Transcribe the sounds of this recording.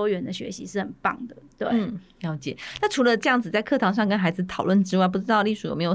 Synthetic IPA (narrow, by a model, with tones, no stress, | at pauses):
ɥɛ˧˥nd̪ə˧˩ɕɥɛ̰˧˥ɕi˧˥ʂɻ̩˥˩xə˨˩npɑ̰˥˩ŋd̪ə˩t̪we˥˩ɪ˥˩ljɑ˧˥ʊt͡ɕjɛ˨˩˦na˥˩ʈ͡ʂʰu˧˥lə˧ʈ͡ʂɤ˥˧jɑ˥˩ŋd͡zɹ̩˨˩t͡sa˥ɪkʰɤ˥˩t̪ʰɑ˧˥ŋʂ̬ɑ˥˩ŋkə˥nxa˧˥ɪd͡zɹ̩˩t̪ʰɑ˨˩lwə˥˩nʈ͡ʂɻ̩˥wa˥˩ɪp̬u˥˩ʈ͡ʂɻ̩˥t̪ɑ˥˧ʊli˥˩ʂu˨˥jo̰˨˩me˧˥j